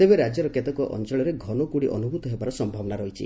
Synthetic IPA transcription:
t̪ebeɾad͡ʒjɔɾɔket̪ɔkɔʔʔɔ̰nt͡ʃɔɭɔɾeɡʱɔnokuɽiʔɔ̰nubʱut̪ɔɦebaɾɔsɔmbʱabɔnaɾɔɦit͡ʃʰḭ

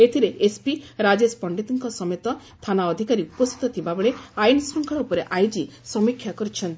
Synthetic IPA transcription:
et̪ʰiɾeʔespiɾad͡ʒespɔɳɖit̪iŋkɔsɔmjet̪ɔ | t̪ʰanaɔd̪ʱikaɾiupɔst̪ʰi̥t̪ɔt̪ʰibabɔɭeajnɔsɔŋkʰɔɭupɔɾeʔajd͡ʒisɔmikʰːjakɔɾit͡ʃʰɔnt̪i

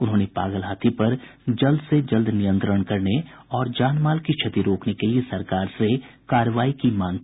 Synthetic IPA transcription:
ʊnɦõːnepa̰ːɡəlɦaːt̪ʰipɐɾ | d͡ʒɐld̪ʱsed͡ʒɐld̪ʱnɪjə̃nt̪ɾəɽ̃kɐɾneɔːɾd͡ʒaːnmaːlkit͡ʃʰɐt̪iɾoːknekeliesɐɾkaːɾsekaːɾəʋaːikimãːŋ

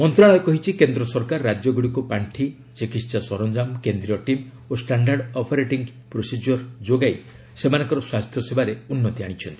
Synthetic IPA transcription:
mɔnt̪ɾaɭɔekɔɦit͡ʃʰikend̪ɾɔsɔɾkaɾːad͡ʒjɔɡuɽikupaɳʈʰi | t͡ʃikisasɔɾɔnd͡ʒamkend̪ɾijɔʈim | osʈaɳɖaɾɖɔpʰɔɾeʈiŋɡ | pɾosid͡ʒɔɾd͡ʒoɡaj | semanɔ̃ŋkɔɾɔswast̪ʰjɔsebaɾeunːɔt̪iaɽ̃it͡ʃʰɔnt̪ii̥

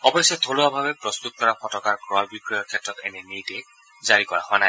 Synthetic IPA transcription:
ɔbɔsɔtʰoloabʱabɛpɹɔst̪ut̚kɔɹapɔtɔkaɹɡɹɔajbikɹiɔɹkʰɛtɹɔtɛ̰nɛnitɛ | zaɹikɔɹa̰xoana

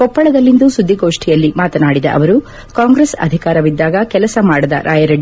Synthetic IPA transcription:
kɔpːɐɭɐd̪ɐlːind̪usud̪ːiɡo̞ːʂʈijɐlːimaːt̪ɐnaːɽid̪ɐ̰ʔɐ̰ʋɐɾu | kaːŋɡɾesɐ̰d̪ʱikaːɾɐʋid̪ːaːɡɐkɛlɐsɐmaːɽɐd̪ɐ̰ɾʔaːjɐɾɐɖ

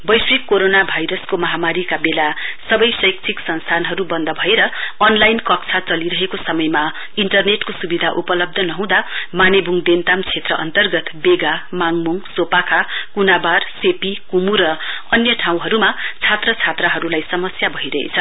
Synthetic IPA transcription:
bʌjsrikːoɾonabʱajɾʌskomʌɦamaɾikabelasʌbʌjsʌjk̚t͡sʰiksʌnst̪ʰanɦʌɾubʌnd̪ʱʌbʱʌeɾʌnlajnkʌkt͡sʰat͡sʌliɾʌɦekosʌmʌjma | iɳʈʌrneʈkosubid̪ʱaʔupʌlʌb̚d̪ʱʌnʌɦũd̪amanebʱuŋd̪ent̪amt͡sʰet̪rʌʔʌ̰nt̪ʌrɡʌt̪beɡamaŋmuŋsopakʰakunabarsepikumuɾʌ | ʌnjʌʈʰaw̃ɦʌɾumat͡sʰat̪rʌt͡sʰat̪rʌɦʌɾulajsʌmʌsjabʱʌɦiɾʌɦḛt͡sʰʌ

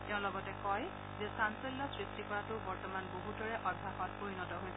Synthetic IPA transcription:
tɛʊ̃lɔɡɔtɛkɔj | zɛsanselːɔsɹistikɔɹatʊbɔɹtɔmanboɦudɔɹɛʔɔbʱːaxɔt̚poɹinɔtɔɦojsɛ

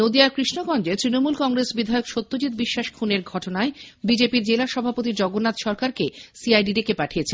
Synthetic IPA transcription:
nod̪iaɾkɾiʃnoɡɔnd͡ʑet̪ɾinomulkɔŋɾesbid̪ʱaeokʃot̪ːod͡ʑit̪̚biʃːaʃkʰuneɾɡʱɔʈonaebid͡ʑepiɾd͡ʑelaʃɔbʱapot̪̬iɾd͡ʑɔɡonːat̪ʃɔɾkaɾkesiajɖiɾekepaʈʰijet͡ɕʰe

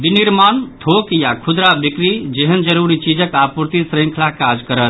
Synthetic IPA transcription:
biniɾmant̪ʰokjakʰud̪ɾabikɾid͡ʒeɦənd͡ʒəɾuɾit͡ʃid͡ʒəkapuɾt̪isɾĩŋkʰlakad͡ʒkəɾət̪

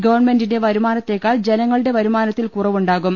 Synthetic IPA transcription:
ɡɐʋɐrɳme̞ndinde̞ʋɐɾumaːnɐt̪ːe̞kːaːɭd͡ʑe̞nɐŋːɐɭɨɽe̞ʋɐɾumaːnɐt̪ːilkurɐʋuɳɖaːɣum

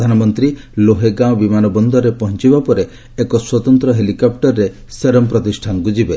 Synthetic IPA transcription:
d̪ʱanɔmɔnt̪ɾi | loɦeɡãwbimanɔbɔnd̪ʱɔɾepɔɦɔnt͡ʃibapɔɾeː | kɔswɔt̪ɔnt̪ɾɔɦelikɔp̚ʈɔɾːe | seɾɔmpɾɔt̪isʈʰanɔkud͡ʒibe

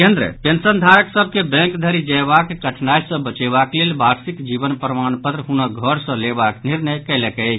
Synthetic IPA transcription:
kend̪ɾə̰pensənd̪ʱaɾəksəb̚ʱkebɛ̃ŋkd̪ʱəɾid͡ʒəjbakkəʈʰnajsə̃bət͡ʃebaklelbaɾsikd͡ʒibənpɾəmanpət̪ɾəɦunəɡʱəɾsə̃lebakniɾnəjkɛɪləkɛ

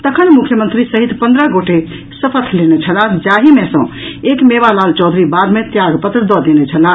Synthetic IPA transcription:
t̪əkʰənmukʰjəmənt̪ɾisəɦit̪pə̃nd̪ɾəɡoʈe | səpʰət̪ʰlenet͡ʃʰəlãd͡ʒaɦimesə̃ekmebalalt͡ʃɔd̪ʱɾibad̪met̪jaɡpət̪ɾəd̪ɔd̪enet͡ʃʰəla

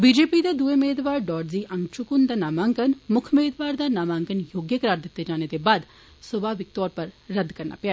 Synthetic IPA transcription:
biːd͡ʒeːpiːd̪aːd̪uːeːmeːd̪ʋaːɾɖɔːɖziːʔəŋɡt͡ʃʊkʊnd̪aːnaːmaːŋkənmʊkʰmeːd̪ʋaːɾd̪aːnaːmãːŋkənjoːɡjəkəɾaːɾd̪ɪt̪ːeːd͡ʒaːneːd̪eːbaːd̪ | sʊbaːʋɪk̚t̪ɔːɾpəɾːəd̪kəɾna̰ːpɪa

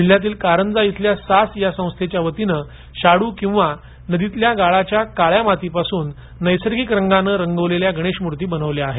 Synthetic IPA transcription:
iɭ̤jat̪̬iːlkaɾəɳd͡zait̪ʰljasasjasə̃w̃st̪ʰet͡ɕjaʋət̪inə | ɕaɽuːkĩw̃ʋa | nəd̪it̪ljaɡaɭat͡ɕjakaɭjamat̪ipasuːnː | əjsəɾɡikɾəŋɡanəːɾəŋɡəʋleljaɡʱəɽ̃eɕmuɾt̪iːbənəʋleaɦe

